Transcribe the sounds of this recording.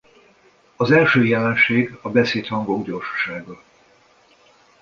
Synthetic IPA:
ɒzɛlʃøːjɛlɛnʃeːɡɒbɛseːt̪hɒŋɡoɡɟo̞rʃɒ̥ʃaːɡɒ

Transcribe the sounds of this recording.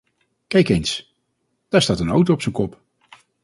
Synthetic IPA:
kɛjkejns | d̥aːɹstaːtəno̰wtowɔpsənkɔp

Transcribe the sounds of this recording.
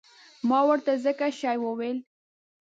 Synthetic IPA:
mɑwəɾt̪azəkaʃɑjwəwel

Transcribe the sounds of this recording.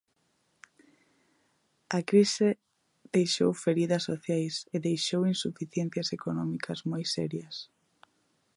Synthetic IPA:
ɐkɾise | ðejʃo̰wfeɾiðɐsːoθjajseðejʃowinsufiθjɛnθjɐsekonɔmikʰɐzmojsɛ̰ɾjɐs

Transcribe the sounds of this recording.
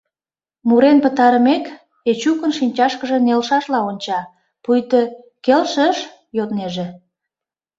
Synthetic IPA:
muɾenpət̪ɑɾəmek | et͡ɕukənʃinʲt͡ɕɑʃkəʒĕnelʃɑʃlɑonʲt͡ɕɑ | pujt̪ə | kelʃəʃ | jot̪neʒe

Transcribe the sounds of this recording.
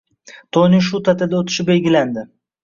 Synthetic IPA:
t̪ʰonɪŋʃut̪ʰat̪ʰɪd̪aot̪ʰɪ̥ʃɪp̚be̞lɡʲɪland̪ɪ

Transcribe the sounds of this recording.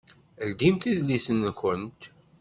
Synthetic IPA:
əld̪imθiðlisənkənt̪

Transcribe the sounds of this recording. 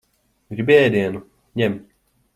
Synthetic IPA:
ɡɾibɛːd̪inu | ɲɛm

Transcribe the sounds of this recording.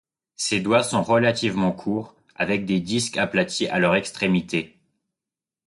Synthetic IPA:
sed̪wasɔ̃ʁəlat̪ivmɑ̃kʰuːʁ | a̰vɛk̚d̪ed̪iskaplat̪ʰiʔa̰lœʁɛkst̪χemit̪e

